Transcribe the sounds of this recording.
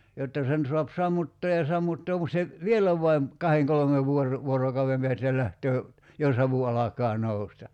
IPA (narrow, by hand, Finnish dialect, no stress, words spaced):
jotːɑ sen soɑp sɑmːutːoː jɑ sɑmːutːoːm mut se ʋielæ ʋɑim kɑheŋ kolŏmeʋ ʋuor ʋuorokɑuem peæstæ læhtøː jɑ sɑʋu ɑlɑkɑː noustɑ